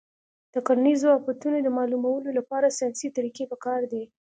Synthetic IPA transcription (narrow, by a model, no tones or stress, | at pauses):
d̪̥əkalanizoafat̪unod̪əmɑlumawəlolapɑɾasjɑsit̪aɾikepəkɑɾd̪e